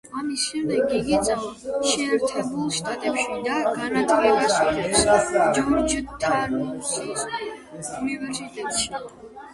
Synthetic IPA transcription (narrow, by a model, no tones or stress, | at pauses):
amisʃɛmd̪ɛɡiɡisʼʃɛːɾt̪ʰɛbulˠʃt̪ʼat̪ʼɛpʃid̪aɡanat̪ʰvɛbasɔɛsd͡ʒɔɾd͡ʒət̪ʰːaɾɔsis | univɛɾsit̪ʼɛt̪ʃi